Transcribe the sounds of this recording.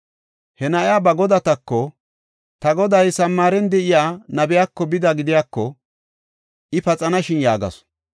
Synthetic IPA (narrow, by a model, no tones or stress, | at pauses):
hɛnɐʔjaːbɐɡɔd̪ɐt̪ɐkːɔ | t̪ɐɡɔd̪ɐjsɐmːaːɾɛnd̪ɛʔɪjaːnɐbɪjaːkːɔbɪd̪ɐɡɪd̪ɪjaːkːɔ | ʔɪpɐt͡sʼɐnɐʃɪnjaːɡɐ̰s